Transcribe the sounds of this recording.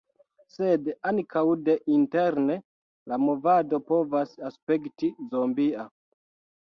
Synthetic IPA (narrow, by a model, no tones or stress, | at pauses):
sedankʰawde̞ʔinteɾne̞ | lamo̞vado̞po̞vasaspe̞ktizombia